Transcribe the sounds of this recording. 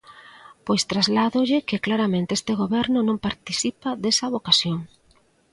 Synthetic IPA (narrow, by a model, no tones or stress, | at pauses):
pojst̪ɾazlaðoʎɪkɪklaɾamẽnt̪eest̪ɪɣoβɛɾnʊnõŋpaɾt̪iθipaðesɐβokasjoŋ